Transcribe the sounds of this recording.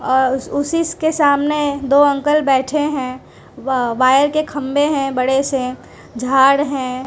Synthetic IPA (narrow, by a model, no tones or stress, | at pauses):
ɔːɾʊsɪskesaːmned̪oːɐ̃ŋkəlbɛːʈʰeɦɛ̃ | ʋaːjəɾkekʰɐ̃mbeɦɛ̃bɐɽese | d͡ʒʱaːɽɦɛ̃ː